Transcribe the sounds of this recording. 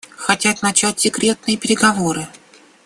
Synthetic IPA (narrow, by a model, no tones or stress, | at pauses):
xɐtʲat̪nɐt͡ɕætʲsʲɪkɾʲe̞t̪̚nɨjəpʲɪɾʲɪɡɐvo̞ɾɨ